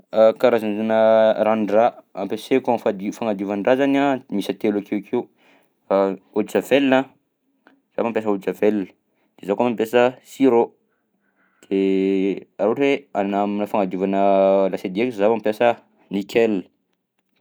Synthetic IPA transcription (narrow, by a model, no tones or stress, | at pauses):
kaɾazanuzanəɾanraampesekanfad̪ifaŋad̪uvanrazanamisət̪elakikʰiu | od̪isavelna | z̥a̰bampjas̬əud̪it͡savelə̥ | d̪̥ezakamampjasəsiɾo | d̪̥e | aɾuaʈ͡ʂeanaminəfaŋad̪uvanəlased̪iekzabampʲjasə | nikʲʰɛl̥